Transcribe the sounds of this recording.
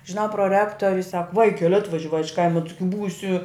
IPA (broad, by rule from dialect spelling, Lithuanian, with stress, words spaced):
ʒʲɪˈnɐʊ proːˈrʲæːktoːrʲʊs sɐk ˈʋɐɪkʲɛlʲ ˈɑːtʋɐʒʲɛʋɐɪ ɪʃ ˈkɐɪmɐ ˈtɨɡʲɪ ˈbuːsʲɪ